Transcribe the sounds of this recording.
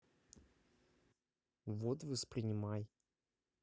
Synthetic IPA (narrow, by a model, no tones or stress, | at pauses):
vot̪vəspɾʲɪnʲɪmaj